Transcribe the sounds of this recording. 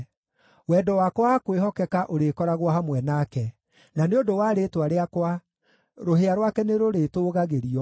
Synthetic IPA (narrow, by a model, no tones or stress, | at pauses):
wɛdɔwakwakweɦɔkɛkaʔoɾekɔɾaɣwaɦamwɛnaːkɛ | naneodowaːɾeːtwaɾeakwa | ɾoɦeaɾwakɛneɾoɾetoːɣaɣeɾiɔ